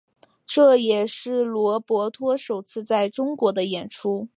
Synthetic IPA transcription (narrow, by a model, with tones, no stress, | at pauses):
ʈ͡ʂɤ˥˩jɛ˨˩ʂɻ̩˥˩lwɔ˧˥pwɔ˧˥t̪ʰwɔ˥ʂo˨˩ʊt͡sʰɹ̩˥˧t͡sa˥˩ɪʈ͡ʂʊ˥ŋkwɔ˧˥d̪ə˧jɛ˨˩nʈ͡ʂʰu˥